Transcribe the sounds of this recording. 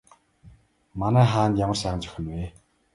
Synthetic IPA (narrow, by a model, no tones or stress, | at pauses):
manæːχaːnt̪jamə̆rʃæːʁə̆nt͡ɕœ̥xʲɪ̆nweː